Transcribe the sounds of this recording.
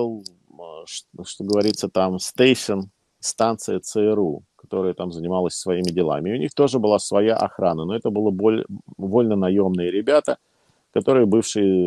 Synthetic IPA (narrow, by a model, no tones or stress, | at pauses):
ɨlˠ | ʂʂt̪oɡəvɐɾʲit̪sət̪amst̪ejʂən | st̪ant̪sɨjət̪sɛɛɾukɐ̥t̪o̞ɾəjət̪amzənʲɪmalˠəsʲsvɐimʲɪdʲɪlˠa̰mʲɪːʊnʲixt̪o̞ʐɨbɨlˠasvɐjaʔɐ̰xɾanəno̞ɛt̪əbɨlˠəbolʲvo̞lʲnənɐjo̞mnɨjəɾʲɪbʲat̪ə | kɐt̪o̞ɾɨjəbɨfʂɨjə